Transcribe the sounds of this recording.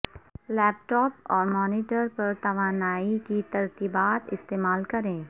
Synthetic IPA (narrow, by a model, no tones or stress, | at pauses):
lɛːpʈɔːpɔːɾmɔːnɪːʈəɾpɐɾt̪ɐʋaːnaːikit̪ɐɾt̪iːbaːt̪ɪ̰st̪eːmaːlkɐɾẽː